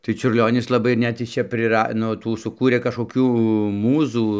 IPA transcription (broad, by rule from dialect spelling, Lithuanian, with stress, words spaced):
tɐɪ t͡ʃʲʊrʲˈlʲoːnʲɪs lˠɐˈbɐɪ ɪr ˈnʲɛt jɪs ˈt͡ʃʲɛ pʲrʲɪˈrɐ ˈnʊ ˈtuː sʊˈkuːrʲeː kɐʃkoːˈkʲuː ˈmuːzuː